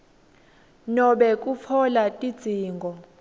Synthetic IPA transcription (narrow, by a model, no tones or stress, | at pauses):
nɔɓɛk̬ʼufʰɔlatʼid̥d͡z̥ʱiːŋɡʱɔ